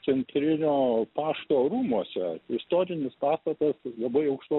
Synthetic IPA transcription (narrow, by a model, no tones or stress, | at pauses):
sʲɛnʲt̪ʲɾʲɪnʲoːpɑːʃt̪oːɾuːmuɔsʲɛɪst̪oːɾʲɪnʲɪspɑːst̪ɐt̪ɐslˠɐbɐɪɐʊkʃlˠo